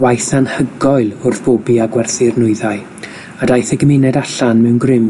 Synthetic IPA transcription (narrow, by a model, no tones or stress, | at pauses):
wajθanhəɡɔɨlˠʊrθb̥obiaɡwɛrθɪrnʊɨðaɨ | adajθəɡəmɪnɛdaɬanmɛwnɡrɪm